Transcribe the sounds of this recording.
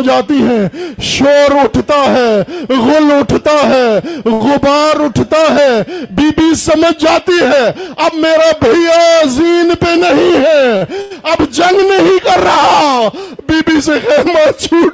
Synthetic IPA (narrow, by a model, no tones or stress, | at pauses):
d͡ʒaːt̪iɦɛ̃ːʃoːɾʊʈʰt̪aɦɛːɣʊlʊʈʰt̪aɦɛːɣʊbaːɾʊʈʰt̪aɦɛːbiːbisɐməd͡ʒd͡ʒaːt̪iɦɛːɐbmeːɾabʱɐijaziːnpenəɦĩɦɛːɐbd͡ʒɐ̃ŋɡnəɦĩkɐɾːɐɦabiːbisexɛːmat͡ʃʰuːʈ